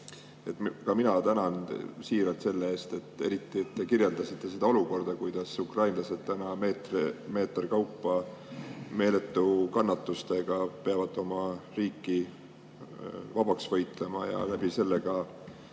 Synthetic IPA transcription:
e̞t̪kɑminɑt̪ænɑnsiːɾɑt̪se̞lːee̞ːst̪e̞t̪ːe̞̰ɾit̪ːˑiet̪ːe̞kirje̞ld̪ɑsit̪ːˑe̞se̞d̪ɑo̞luko̞rd̪̥ɑkujd̪̥ɑsukrɑjnlɑsed̪̥̚t̪ænɑmeːt̪reme̞ːt̪ˑrkɑwpːɑ | me̞ːle̞t̪ːˑukɑnːɑt̪ːˑust̪e̞ɡ̥ɑpeɑvɑd̪ˑo̞mɑriːkːi | vɑb̥ɑksvɤjt̪ˑle̞mɑjɑ̰læb̥ise̞lːeɡ̥ɑ

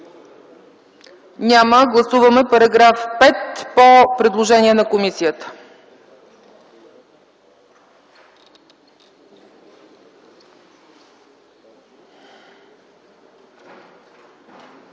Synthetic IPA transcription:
nʲaməɡlˠɐsuvəmɛpɐɾɐɡɾafpɛt̪popɾɛd̪lˠoʒɛniɛnɐkomisijət̪ə̥

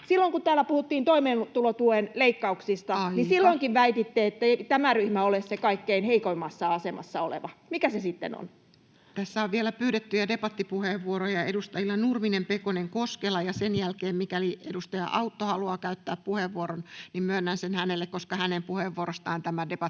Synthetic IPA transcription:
silːoiŋkut̪æːlːˑæpuhut̪ːiːnt̪oimeːnt̪ulot̪uoenleikːɑuksist̪ɑɑjnisilːoiŋkiʋʋæit̪it̪ːeet̪ːæt̪æmæryhmæolessekɑikːeinheikoimːɑsːɑɑsemɑ̰sːɑolḛʋɑ̰mikæsesit̪ːḛno̰n | t̪æsːæoʋʋielæpyːɾet̪ːyjædepɑt̪ːipuheʋːuoɾojɑedust̪ɑjilːɑnurminempekoneŋkoskelɑjɑsenjælkeːmmikæliedust̪ɑjɑ̰ʔɑut̪ːohɑluɑːkæyt̪ːæːppuheʋːuoɾonnimmønːænsenhænelːekkoskɑhænempuheʋːuoɾost̪ɑːnt̪æmædepɑt̪ː

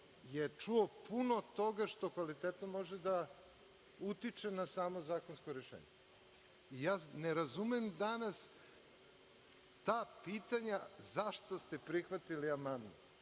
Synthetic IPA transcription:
jet͡ʂuopunot̪o̞ɡaʃt̪o̞kʋalit̪eːt̪nomo̞ʒed̪a | ut̪it͡ʃenasaːmo̞zaːko̞nskoɾeʃḛːɲe | ijaːneɾazumemd̪anas | t̪aːpiːt̪aɲazaʃt̪ost̪epɾixʋat̪iliamand̪no

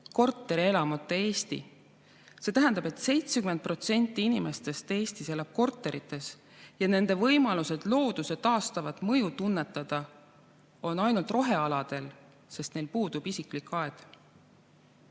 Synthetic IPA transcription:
ko̞rt̪ːˑe̞ɾie̞lɑmut̪ːˑeeːst̪ḭ | se̞ːt̪æɦænd̪ɑbe̞t̪se̞jt̪sekymen̚pro̞t̪se̞nʲt̪ːˑiinime̞st̪e̞st̪e̞ːst̪ise̞lɑb̥̚ko̞rt̪ːˑe̞ɾit̪ːˑe̞s | jɑne̞nd̪e̞vɤjmɑluse̞d̪̥lo̞ːd̪̥use̞t̪ɑːst̪ɑvɑt̪ˑmɤjut̪unːe̞t̪ːˑɑd̪̥ɑ | o̞nɑjnult̪ro̞ɦe̞ɑlɑd̪̥e̞l | se̞st̪ne̞jlpuːd̪ub̥isiklikːˑɑed̪̥

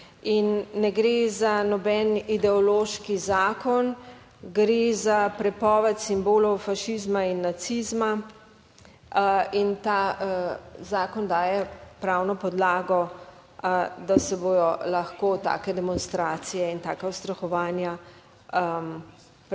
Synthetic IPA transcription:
inːɛɡɾezanɔbɛnid̪ɛɔloʃkizaːkɔn | ɡɾezapɾɛpɔːʋɛt̪simboːlɔwfaʃizmainːat̪sizma | int̪a | zaːkɔnd̪aːjɛpɾawnɔpɔd̪laːɡɔ | d̪asɛboːdɔlaxkot̪a̰ːkɛd̪ɛmɔnst̪ɾaːt̪sijɛint̪aːkawst̪ɾaxɔʋaːnja | m

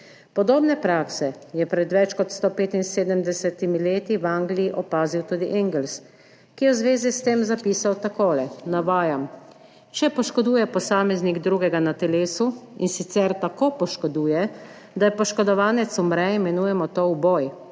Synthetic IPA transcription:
pɔd̪oːbnɛpɾaːksɛjɛpɾɛd̪ʋɛt͡ʃkɔt̪st̪oːpeːt̪inseːd̪əmd̪ɛsɛt̪imileːt̪iwaːŋɡlijiʔɔpaːziwt̪ud̪iʔɛŋɡɛls | kijɛwzʋeːzist̪eːmzapiːsawt̪akoːlɛnaʋaːjam | t͡ʃɛpɔʃkɔd̪uːjɛpɔsaːmɛzniɡd̪ɾuːɡɛɡanat̪ɛleːsuḭnsit̪sɛɾt̪akoːpɔʃkɔd̪uːjɛ | d̪ajɛpɔʃkɔd̪ɔʋaːnɛt̪sumɾɛimɛnuːjɛmɔt̪owbɔːj

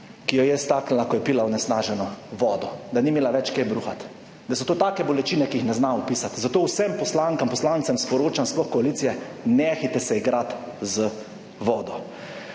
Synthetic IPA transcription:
kijɔjɛst̪aːkn̩lakɔjɛpiːlawnɛsnaːʒɛnɔʋɔːd̪ɔd̪animeːlaʋɛt͡ʃkebɾuxat̪ | d̪asɔt̪oːt̪aːkɛbɔlɛt͡ʃiːnɛkiixnɛznaupiːsat̪zat̪oːwsɛmpɔslaːŋkampɔslaːnt̪sɛmspɔɾoːt͡ʃamsplɔxkɔaliːt̪sijɛnɛxit̪ɛsɛiɡɾat̪zə | ʋɔːd̪ɔ

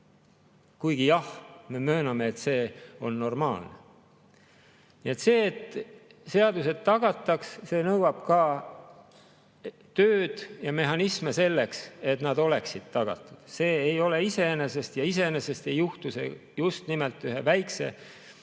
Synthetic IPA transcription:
kujɡ̥ijɑhme̞mø̞ːnɑmeːt̪se̞ːo̞nːo̞rmɑ̰ːlnḛ | nie̞t̪se̞ːt̪ː | se̞ɑd̪use̞d̪̥̚t̪ɑɡ̥ɑt̪ːˑɑksse̞ːnɤwɑb̥kɑ | t̪øːd̪̥jɑme̞ɦɑnismese̞lːe̞kse̞t̪nɑd̪o̞le̞ksid̪̥̚t̪ɑɡ̥ɑ̰t̪ːˑud̪̥se̞ːejo̞le̞ise̞ene̞se̞st̪jɑis̬e̞enese̞st̪e̞jːuht̪usḛ | just̪nimelt̪ːˑyɦe̞væjkse̞̰

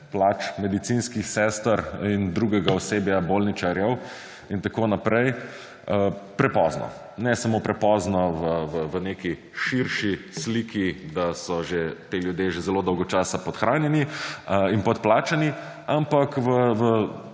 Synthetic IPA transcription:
plaːt͡ʃmɛd̪it̪sinskixsɛst̪əɾind̪ɾuɡɛɡaɔseːbjaboːlnit͡ʃaɾjɛw | int̪akoːnapɾɛj | pɾɛpɔznɔ̰ | nɛsamoːpɾɛpɔːznɔʋəʋəʋəneki | ʃiɾʃisliːkid̪asɔʒet̪eljud̪jeʒezɛloːd̪ɔwɡɔt͡ʃaːsapɔt̪xɾaːnjɛniinpɔt̪̚plaːt͡ʃani | ampakʋəʋə

